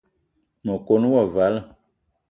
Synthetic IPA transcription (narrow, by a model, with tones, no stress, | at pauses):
mə˨ko˦n˦wɔ˦˨va˨˦lə˨